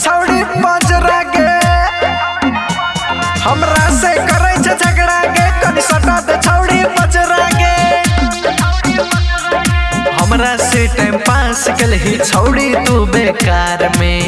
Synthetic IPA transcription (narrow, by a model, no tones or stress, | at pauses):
t͡ʃʰəwɽipə̃t͡ʃɾaɡe | həmɾasekəɾəjt͡ʃʰet͡ʃʰəkɽaɡekənisəʈat̪et͡ʃʰəwɽipə̃t͡ʃɾaːɡe | ɦəmɾaseʈajmpãsekelɦit͡ʃʰəwɽit̪ubekaɾme